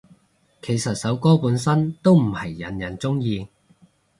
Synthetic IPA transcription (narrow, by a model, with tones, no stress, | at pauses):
kʰe˨˩jsɐ˨t̚sɐ˨˥wkɔː˥puː˨˥nsɐ˥nt̪o˥wm̩˨˩hɐ˨˩jːɐ˨˩njɐ˨˩nt͡sʊ˥ŋjiː˧